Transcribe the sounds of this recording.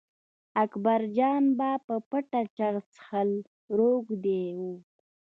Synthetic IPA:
akbaɾd͡ʒɑnbapəpəʈat͡ʃaɾt͡sə̥xal | ɾoɡd̪ewu

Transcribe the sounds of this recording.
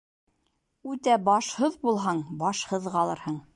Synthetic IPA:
ʉt̪æbɑʃhɤðbulˠɦɑɴbɑʃhɤðʁɑlˠɤɾhɤɴ

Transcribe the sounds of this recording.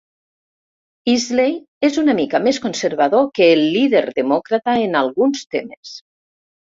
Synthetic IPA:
izlej | ezunamikameskonseɾβ̞aðokəːlːiðeɾðemɔkɾat̪aenalˠɣunst̪emes

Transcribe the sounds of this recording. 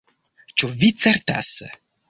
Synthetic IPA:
t͡ʃuvit̪seɾt̪a̰sə̰

